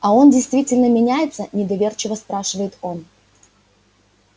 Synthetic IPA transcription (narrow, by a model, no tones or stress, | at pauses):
ɐo̞ndʲɪjst̪vʲitʲɪlʲnəmʲɪnʲæjɪt̪sənʲɪd̪ɐvʲe̞rt͡ɕɪvəspɾaʂɨvəjɪt̪o̞n